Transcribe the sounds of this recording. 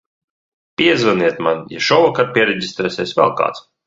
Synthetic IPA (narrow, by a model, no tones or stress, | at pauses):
pʲiɛzvaniɛt̪manja̰ʃɔwɔkaɾpʲiɛɾeɟʲist̪ɾɛsʲɛːsʲvɛ̰lˠka̰ːt̪s